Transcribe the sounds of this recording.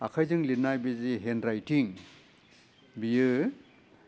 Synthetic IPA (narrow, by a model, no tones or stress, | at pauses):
akʰajzɯŋlinajbiziɦenɾajtiŋ | bijɯ